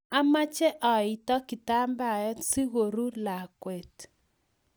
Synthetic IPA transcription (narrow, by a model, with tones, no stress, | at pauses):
a˦ma˦t͡ʃɛ˦ʔɔ˨i˨tɔ˦ki˨ta˦mba˦˨jɔ˦si˦ɣo˨ɾu˦la˨kwɛ˨t